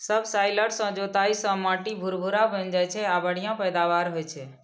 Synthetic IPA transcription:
səbsaːɪləɽsə̃d͡ʒot̪aisə̃maːʈibʱʊɾbʱʊɾabənd͡ʒaːjt͡ʃʰeabəɽijãpɛːd̪aʋaːɾɦojt͡ʃʰe

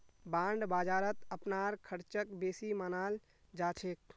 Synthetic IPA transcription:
baːɳɖbaːd͡ʒaːɾət̪ɐpnaːɾkʰəɾt͡ʃəkbeːsimaːnaːl | d͡ʒaːt͡ʃʰeːk̚

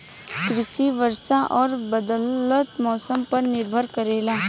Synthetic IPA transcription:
kɾɪʃiːʋəɾsaʔɔːɾbɐd̪ələt̪mɔːsəmpɐɾnɪɾbʱəɾkɐɾeːlaː

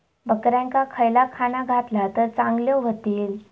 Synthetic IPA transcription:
bəkɾjaŋkakʰəjlakʰanaɡʱat̪lat̪əɾt͡sãŋɡljoɦot̪iːl

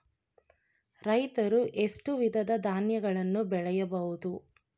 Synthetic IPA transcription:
ɾɐjt̪ɐɾuʔe̞sʈuʋid̪ʱɐd̪ɐd̪ʱaːnjɐɡɐɭɐnːubɛɭɛjɐbɐɦud̪u

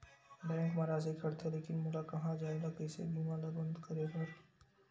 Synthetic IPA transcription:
ɖɛ̃ːɳʈmaɾaːzekʰɐɽt̪ʰeleːkɪnmʊɾakɐɦãd͡ʒaːeɡakɛɪsḛbʱiːmãlabɐ̃nd̪kɐɾepɐɾ

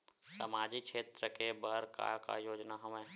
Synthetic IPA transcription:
sə̰maːd͡ʒikʃʰeːt̪ɾəkebəɦɾka̰ka̰joːd͡ʒnaɦəmẽː

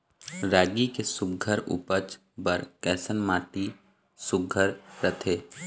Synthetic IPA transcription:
ɾaːɡikesʊəɾʊ̰pət͡ʃ | bəɾkɛːsənmaːt̪i | sʊɡʱəɾɾət̪ʰeː

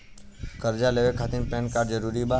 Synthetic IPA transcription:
kəɾd͡ʒaleʋekʰat̪inpɛ̃nkaːɾɖd͡ʒəɾuɾiba

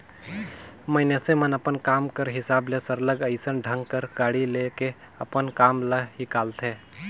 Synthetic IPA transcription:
məɪnesemənəpənkaːmkəɾɦɪsaːblesəɾləɡəɪsənɖʱə̃ŋɡkəɾɡ̥aːɽileke | əpənkaːmləɦikaːlt̪ʰeː

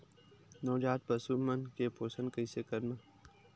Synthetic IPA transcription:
noːd͡ʒaːt̪̚bɐsuːmmɐnkepoːsə̃nkəisekɐɾnaː

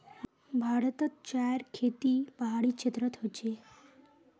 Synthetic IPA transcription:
bʱaɾt̪ət̪t͡ɕaɾkʰet̪iːpəɦaɽiːt͡ɕit̪ɾət̪ɦod͡ʑe

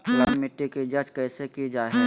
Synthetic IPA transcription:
plaːɾmɪʈːikid͡ʒɐd͡ʒkɛːsekid͡ʒaːɦɛ

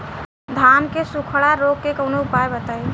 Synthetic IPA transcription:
d̪ʱankesukʰɽaɾoɡ̚kekəʊnoʊpajbət̪a

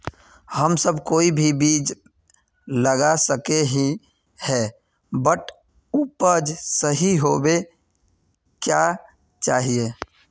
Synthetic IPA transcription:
həmsəbʱkoːibʱibiːd͡ʒ | ləɡasəkeɦi | hɛ | bəʈ | upəd͡ʒsəɦiɦobe | kja | t͡ʃaːɦie

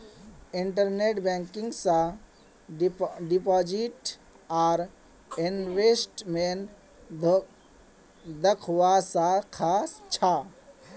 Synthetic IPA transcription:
iɳʈəɾneʈbɛ̃ŋkɪ̃ŋɡsã | ɖipɔd͡ʒiʈ | aːɾ | inʋesʈmen | d̪əkʰwasakʰaːst͡ʃʰa

